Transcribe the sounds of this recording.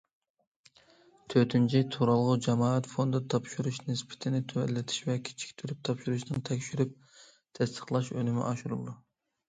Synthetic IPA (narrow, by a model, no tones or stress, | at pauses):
t̪ʰøt̪ʰynt͡ʃʰit̪ʰuɾɑlˠʁʊd͡ʒɑmɑːʁɛt̪fond̪ɨt̪ʰɑpʃuɾuʃnɪspʰɪ̥t̪ʰɪnɪt̪ʰøwɛ̰lːɪt̪ʰi̥ʃvɛkʲʰi̥t͡ʃʰi̥kʲt̪ʰyɾyp̚t̪ʰɑpʃuɾuʃnɨnt̪ʰɛkʲʃyɾyp̚ | t̪ʰɛst̪ʰə̥χlˠɑʃønymɪ̰ʔɑʃuɾṵlˠd̪u